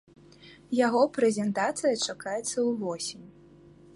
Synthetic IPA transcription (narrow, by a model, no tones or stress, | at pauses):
jaɣɔpɾɛzʲɛnt̪at̪sɨjɐt͡ʂakajɛt̪sːɐwvɔsʲimʲ